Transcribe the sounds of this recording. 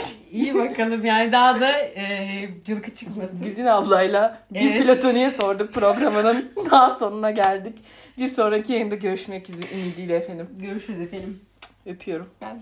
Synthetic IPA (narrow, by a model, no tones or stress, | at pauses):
ijibakʰalˠɯmjaːnid̪aːd̪a | d͡ʒɯlˠkʰɯt͡ʃʰɯkmazɡyzinavlˠajlˠabiɾilʲat̪ʰo̞nijɛso̞ɾd̪uk̚pɾo̞ɡɾamɯnɯnd̪aːso̞nunaɟælʲd̪ic | biɾso̞nɾaicʰijajɯnd̪aɟø̞ɾyʃmɛcizʔinid̪iːlʲɛefenimɟøɾyʃmɛzefelim | øpʰyjo̞ɾum